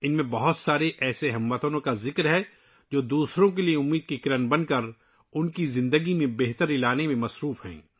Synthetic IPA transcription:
ɪnmẽbɐɦʊt̪saːɾeʔɛːseɦɐmʋət̪onõkazɪkɾɦɛ | d͡ʒoːd̪uːsɾõkelieʊmːiːd̪̚kikɪɾənbɐnkɐɾ | ʊnkizɪ̃nd̪əɡimẽbeɦt̪əɾɪlaːnemẽmɐsɾuːfɦɛ̰̃ː

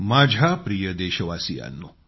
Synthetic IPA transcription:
maːd͡ʒʱapɾijəd̪eːʃɐʋaːsija̰nːu

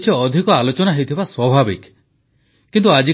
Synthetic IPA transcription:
t͡ʃʰiɔd̪ʱikɔalot͡ʃɔnaɦewt̪ʰibaswɔbʱabḭk | kint̪̬uad͡ʒi

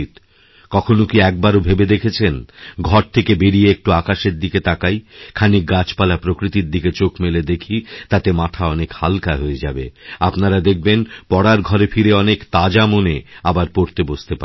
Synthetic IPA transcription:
t̪ | kɔkʰonokiɛk̚baɾobʱebed̪ekʰet͡ɕʰenɡʱɔɾt̪ʰekebeɽieek̚ʈuakaʃeɾd̪iket̪akajkʰanikɡat͡ɕpalapɾokɾit̪iɾd̪iket͡ɕokmeled̪ekʰit̪at̪emat̪ʰaɔnekhalkaɦoed͡ʑa̰beapnaɾad̪ek̚ʰbenpɔɽaɾɡʱɔɾefʰiɾeɔnekt̪ad͡ʑamoneabaɾpoɾt̪ebost̪epa

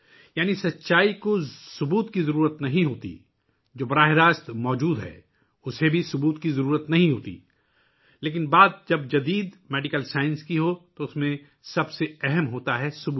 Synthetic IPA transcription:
jaːnisɐtːʃaːikosʊbuːt̪kizɐɾuːɾət̪nɐɦĩɦoːt̪ḭ | d͡ʒoːbɐɾaːɦɪɾaːst̪mɔːd͡ʒuːd̪ɦɛ̰ː | ʊsebʱisʊbuːt̪kizɐɾuːɾət̪nɐɦĩɦoːt̪ḭ | leːk̬ɪnbaːd̪̚d͡ʒɐbd͡ʒɐd̪iːd̪mɛːɖɪkəlsaːɪ̃nskiɦot̪oʊsmẽ | sɐbseɛɦɛmɦoːt̪aɦɛsʊbuː

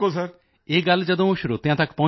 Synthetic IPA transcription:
osɐɾ | eɡald͡ʒɐd̪õoʃɾot̪ɪjãt̪akpɔ̃

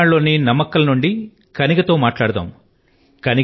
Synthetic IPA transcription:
aːɭːo̞ːninɐmːɐkɐlɐnuɳɖi | kɐniɡɐt̪o̞ːmaːʈlaːɽɐt̪a̰ːm | kɐni

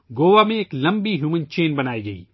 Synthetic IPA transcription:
ɡoːʋamẽeːklɐ̃mbiɦjuːmə̃nt͡ʃeːnbɐnaːiɡɐḭː

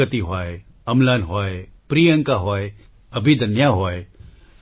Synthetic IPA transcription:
ət̪iɦɔːe | ɐmlaːnɦɔːepɾiːə̃ŋkaɦoːe | ɐbʱid̪ʱɐnjaɦoːe

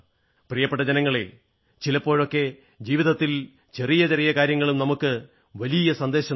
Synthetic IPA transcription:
prijɐpːe̞ʈ̬ːɐd͡ʑenɐŋːɐɭe | t͡ɕilɐpːo̞ːɻo̞kːe̞ | d͡ʑiːʋiðɐt̪ːil | t͡ɕe̞rijɐt͡ɕerijɐkaːɾjɐŋːɐɭumnɐmukːɨ | ʋɐlijɐsɐnd̪e̞ːɕɐ

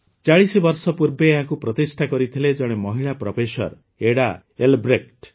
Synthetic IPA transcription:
t͡ʃaɭisibɔɾsɔpuɾbeːɦakupɾɔt̪isʈʰakɔɾit̪ʰiled͡ʒɔɽ̃emɔɦiɭapɾɔpesɔ̰ɾ | eɽa | elbɾekʈ

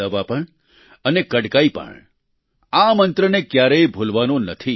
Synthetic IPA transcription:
əʋapəɳ | ənekəɽkaipə̰ɳ | amə̃nt̪ɾənekjaɾejbʱolʋanõnət̪ʰi

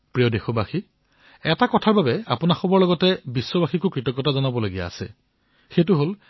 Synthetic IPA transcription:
pɹijɔdexɔbaxi | ɛtakɔtʰaɹbabɛa̰pʊnaxɔbɔɹlɔɡɔtɛbisːɔbaxikʊkɹitɔkːɔtazɔnabɔlaɡija̰ːsɛ̰ | xetʊɦol

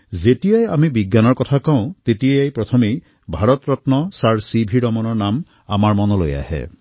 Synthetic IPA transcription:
zetijajamibiɡjanɔɹkɔt̪ʰakaw̃t̪etiejajpɹɔt̪ʰɔmi | bʱaɹɔt̪ɹɔt̪nɔsaɹsibʱiɽɔmɔnɔɹnam | amaɹmɔnɔloja̰hɛ̰

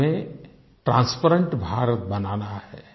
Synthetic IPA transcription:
ẽ | ʈɾãːnspəɾə̃ɳʈbʱaːɾət̪̚bɐnaːnaɦhɛː

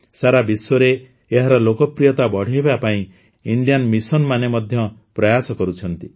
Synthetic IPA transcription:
saɾabiswɔɾe | eɦaɾɔlokɔpɾijɔt̪abɔɽ̤iebapaĩ | iɳɖijanmisɔnmanemɔd̪ʱjɔpɾɔjasɔkɔɾut͡ʃʰɔnt̪i

